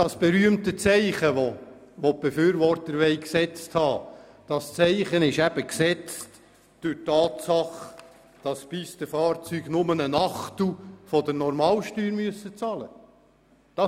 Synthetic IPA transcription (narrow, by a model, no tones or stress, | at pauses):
dɑsb̥ɛɾyəmt̪ət͡sɛɪχəʋo | ʋob̥efyːɾʋɔrtəɾʋɛɪksɛt͡sthɑː | d̥ɑst͡sɛɪχənɪʃæb̥əksɛt͡st | d̥ʉɾtɑːtsɑχ | d̥ɑspist̪əfɑːrt͡syːɡnʊmənənɑχtufɔdənɔɾmɑːlʃtyːɾmyəsət͡sɑlə̰ | d̥ɑ